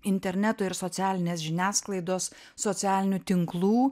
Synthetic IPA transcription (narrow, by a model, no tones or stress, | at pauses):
ɪnʲt̪ʲɛɾʲnʲɛt̪ʊɪɾsɔt̪sʲæːlʲɪnʲeːsʒʲɪnʲæːsklˠɐɪd̪oːsː | ɔt̪sʲæːlʲɪnʲuːt̪ʲɪŋklˠuː